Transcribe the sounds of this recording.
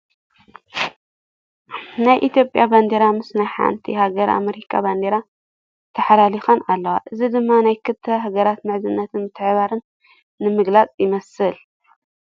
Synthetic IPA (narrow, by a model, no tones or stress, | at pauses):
najʔit̪jo̞pʼjaband̪eɾamɨsnajħa̰nt̪ʰihaɡɐɾʔa̰meɾikʰaband̪eɾa | t̪ʰɐħalalixɐnalːɐwaʔɨzid̪ɨmːanajkʰɨt̪ʰːɐɦaɡɐɾat̪mɨʕzɨnːɐt̪ʰɨnbɨt̪ʰːɨʕβaɾɨnː | ɨmɨɡlat͡sʼjɪmɐsɨl